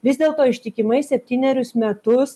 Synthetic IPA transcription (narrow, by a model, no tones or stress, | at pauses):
ʋʲɪzd̪ʲeːlˠt̪oːɪʃʲt̪ʲɪkʲɪmɐɪsʲɛpʲt̪ʲiːnʲɛɾʲʊsmʲɛt̪ʊs